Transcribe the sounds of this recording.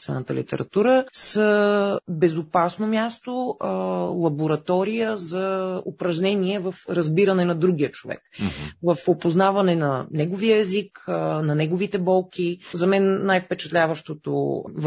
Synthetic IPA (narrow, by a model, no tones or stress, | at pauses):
svɛ̰nət̪əlḭt̪ɛ̰ɾɐ̰t̪uɾəsəbɛzopasnomʲjast̪oəlˠɐboɾɐt̪ɔɾijəzɐopɾɐʒnɛniɛvɐfɾɐzbiɾɐnɛnɐd̪ɾuɡ̟ijət͡ʃovɛ̰kvɐfopoznavɐnɛnɐnɛɡoviəɛziknɐnɛɡovit̪ɛbɔlˠkizɐmɛnːajfpɛt͡ʃɐt̪lʲavəʃt̪ot̪o̰v